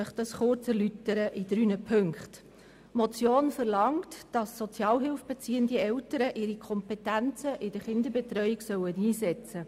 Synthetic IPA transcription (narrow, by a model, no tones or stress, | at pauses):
œχd̥ɑsχʊɾt͡sɛɾlytəɾəʔɪd̥ɾyːnəpʰɵŋkχt | mɔt͡sjoːnfəɾlɑŋtd̥ɑsːɔt͡sjɑːlɦɪlfb̥ɛt͡siːəndiɛwtəɾəʔɪːɾikʰɔmpɛtænt͡səʔɪd̥əχɪndəɾbɛtɾœʏiksœwəniːsɛt͡sə